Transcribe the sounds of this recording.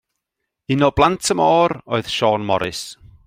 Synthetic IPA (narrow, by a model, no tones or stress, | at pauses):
ɪnɔblˠantʰəmoːɾoɨð̥ʃɔːnmɔɾɪ̰s